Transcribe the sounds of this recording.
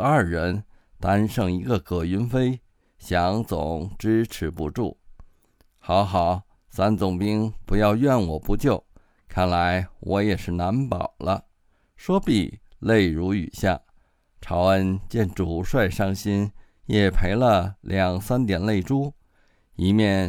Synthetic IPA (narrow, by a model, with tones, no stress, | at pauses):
ɐ˞˥˩ɻə˧˥n | t̪a˥nʂɤ˥˩ŋi˧˥ɡə˧kʰɤ˨˩y˧˥nfe˥ɪ | ɕjɑ˧˥ŋt͡sʊ̰˨˦ŋʈ͡ʂɻ̩˥ʈ͡ʂʰɻ̩˧˥pṵ˧˥ʈ͡ʂu˥˩ | xɑ˧˥ʊxɑ˨˩˦ʊ | sa˥nt͡sʊ˨˩ŋpi˥ŋpu˧˥jɑ˥˧ʊɥɛ˥˩nwɔ˨˩pu˧˥t͡ɕjo˥˩ʊ | kʰa˥˩nla˧˥ɪwɔ˧˥jɛ˨˩ʂɻ̩˥˩na˧˥npɑ˨˩ʊlə˦ | ʂwɔ˥pi˨˩le˥˩ɪɻu˧˥y̰˨˩ɕja̰˥˩ | ʈ͡ʂʰɑ˧˥ʊə˧˥nt͡ɕjɛ˥˩nʈ͡ʂu˨˩ʂwa˥˧ɪʂɑ˥ŋɕi˥n | jɛ˨˩pʰe˧˥ɪlə˧lʔjɑ˨˩ŋsa˥nt̪jɛ˨˩nle˥˩ɪʈ͡ʂu˥ | i˧˥mjɛ˥˩n